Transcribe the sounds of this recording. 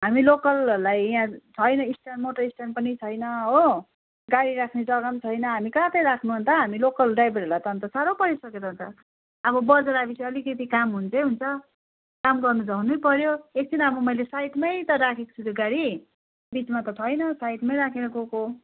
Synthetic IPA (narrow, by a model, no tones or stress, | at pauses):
ɦamilokʌllajjãt͡sʰʌjnʌisʈanmoʈʌisʈanpʌnit͡sʰʌjnʌɦo | ɡaɽiɾakʰned͡zʌɡʌmt͡sʰʌjnʌɦamikat̪ʌjɾakʰnuɦʌnt̪ʌɦamilokʌlɖajbʌɾlat̪ʌʌnt̪ʌsaɾopʌɾisʌket̪ʌɦnt̪ʌː | bʌbʌd͡zʌɾabisʌlikʌt̪ikamɦunt͡sʰʌɦunt͡sʰʌ | kamɡʌrnud͡zʌnujpʌɾjoek̚t͡sʰinʌbʌmʌjlesajʈmajt̪ʌɾakʰeko̥sʰut̪oɡaɽi | bit͡smat̪ʌt͡sʰʌjnʌsajʈmajɾakʰeɾʌkoko